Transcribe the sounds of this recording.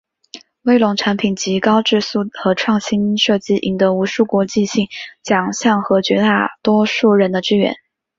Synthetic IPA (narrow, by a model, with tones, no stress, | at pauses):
we˥˩ɪlʊ˨˩ŋʈ͡ʂʰa˧˥npʰi˨˩nt͡ɕi˧˥kɑ˥ʊʈ͡ʂɻ̩˥˧su˥˩xɤ˧˥ʈ͡ʂʰwɑ˥˩ŋɕi˥nʂɤ˥˧t͡ɕi˥˩ʔḭ˧˥ŋd̪ɤ˧˥u˧˥ʂu˥˩kwɔ˧˥t͡ɕi˥˧ɕi˥˩ŋt͡ɕjɑ˨˩ŋɕjɑ˥˩ŋxɤ˧˥t͡ɕɥɛ˧˥t̪a˥˩t̪wɔ˥ʂu˥˩ɻə˧˥nd̪ə˧ʈ͡ʂɻ̩˥ɥɛ̰˧˥n